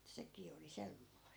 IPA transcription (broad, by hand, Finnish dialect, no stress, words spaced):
sekiː oli semːoist